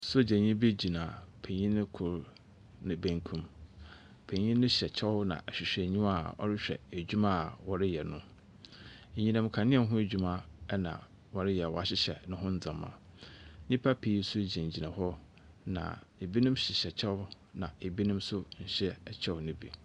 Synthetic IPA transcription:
sʊ˦˨d͡ʑɛ̃˨ɲĩ˦be˦d͡ʑi˨nã˨pʰẽ˨ɲĩ˦nʊ̃˦kʰʊ˨ɾ | nɪ̃˨bæ̃˦ŋkʰũ˦m | pʰẽ˨ɲĩ˦nʊ̃˦ɕɛ˨t͡ɕʰɛ˦wnã̰˨ʔɛ˨ɕᶣɪ˨ɕᶣɛ˨ɲĩ˦ma˨ɔ̰˦ɾɪ˦ɕᶣɛ̰˨æ˨d͡ʑᶣu˦mã˦˨wɔ˨ɾɪ˦jɛ˨nʊ̃˦˨ | ɲĩ˨nã˨mkʰã˨nɪ̃˦ɛ˨˦ɦʊ̃˦e˦˨d͡ʑᶣu˦mã˦nã̰˨ | wɔ˨ɾɪ˦jɛ˨ɔ˨˦a˦˨ɕɪ˦ɕɛ̰˨nʊ̃˦ɦʊ̃˦n̩˦d͡zã˨mːã̰˨˦ɲĩ˦pʰa˦pʰi˨˦sʊ˦˨d͡ʑæ̃˨ɲ˨d͡ʑi˨nã˨hɔ˦ | nã̰˨e˨bi˦nʊ̃˦mɕɪ˨ɕɛ˨t͡ɕʰɛ˦w | nã˨e˨bi˦nʊ̃˦msʊ˦ɲ̩˨ɕɛ˦˨t͡ɕʰɛ˦wnɪ̃˦bḭ˨

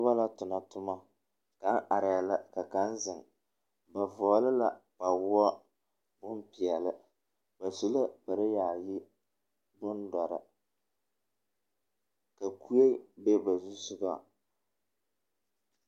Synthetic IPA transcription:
ʊ˦ba˦la˦tʊ˨na˨tʊ˦ma˦ | ka˨˦ŋʔa˨ɾɪ˨ja˨la˦ka˨ka˦n˦zɪ˨ŋ | ba˨vɔː˨˦lɨ˦la˨ba˨wʊ˦ɔ˦ | bʊ˦mpɪ˨ɛ˨lɨ˦ | ba˨su˦la˦ba˨ɾɪ˦jaː˨ji˦ | bʊ˦ndɔ˨ɾɨ̰˨ | ka˨ku˦e˦be˦ba˨zu˦sʊ˦ba̰˦

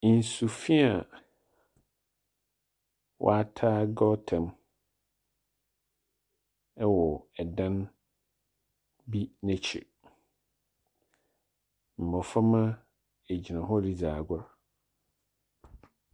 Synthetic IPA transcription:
n̩˨su˨fĩ˦a˨ | wʔɔ̰˦a˦tʰaː˦ɡɔ˦tʰɛ̃˨m | ɛ˦wɔ˨ɛ˨dã˦n | bi˦nɛ̃˨t͡ɕʰɛ̰˨ | m̩˨mɔ̃˨fa˦mã˦ | e˨d͡ʑi˨nã˨ɦɔ˦li˦d͡zaː˨ɡʷa˦ɾ

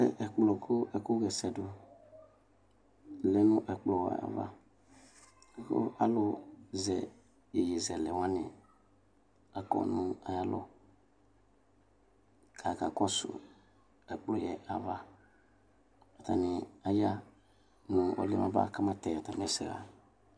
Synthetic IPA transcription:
ɛ˦ʔɛ˨k͡plɔ˨kʰo˦ɛ˨ko˦ɡɛ˨sɛ˨dʊ˨ | lɛ˦nũ˦ʔɛ˨k͡plɔ˨wɛ̰˨a̰˨va̰˦˨ | ko̰˦a˦lʊ˨zɛ˨ | je˨je˨zɛ˨lɛ˨wã˦ni˨ | a˨kɔ̰˨nũ˦a˨ja˦lɔ̰˦ | kʰa˨ka˨kɔ˦sʊ̰˨ | ɛ˨k͡plɔ˦jɛ˨ʔa˨va˦ | a˨ta˨ni˨a˨ja˦ | nũ˨ɔ̰˨lɛ˦mã̰˨ba̰˦˨ka˦ma˦tɛ˨a˨ta˨m˨ɛ˨sɛ̰˨ɣa̰˨

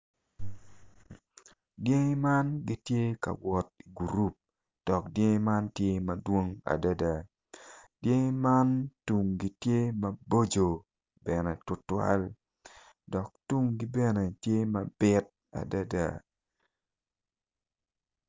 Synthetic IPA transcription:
dje˦ŋi˦ma˦nɡi˦tje˦ka̰˨wɔ˨t̚i˨ɡu˨ɾu˦p̚ | d̥ɔ˨k̚dje˦ŋ˦ma˦ntje˦mɐ˨dwo˦ŋa̰˨da˦da˨ | dje˦ŋɪ˦ma˦ntu˨ŋɡi˦tje˦mɐ˦bo˦d͡ʒo˨ | bɛ˨nɛ˨tʊ˨twa̰˦l | dɔ˨k̚tu˦ŋɡi˦bɛ˦ne˨tje˦mɐ˨b̥ɪ˦t̚ | a̰˨da˦da̰˦˨

